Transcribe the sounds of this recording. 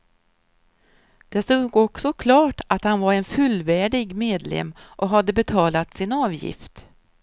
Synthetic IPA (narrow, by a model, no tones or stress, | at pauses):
d̪̥ɛst̪uːɡɔksɔkʰlɑːʈat̪hanvaɾɛnfɵlːvæːɖɪɡmeːd̪lɛ̰mːʔɔɦad̪ːəbɛt̪ʰɑːlat̪sɪnɑːvjɪ̰ft̪